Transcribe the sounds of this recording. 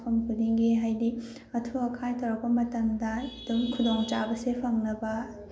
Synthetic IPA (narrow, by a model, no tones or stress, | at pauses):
pʰɐmkʰuliŋɡiɦajdi | ɐtʰuɐkʰajtʰɐwɾɐk̚pɐmɐtaŋdɐidumkʰudoŋt͡ʃabɐsepʰɐŋnɐbɐ